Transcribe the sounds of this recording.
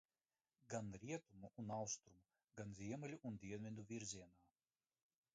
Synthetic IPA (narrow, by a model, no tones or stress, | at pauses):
ɡanɾiɛt̪umuunawst̪ɾumu | ɡanzʲiɛmɛlʲuʔund̪ʲiɛnvʲid̪uvʲiɾzʲiɛnaː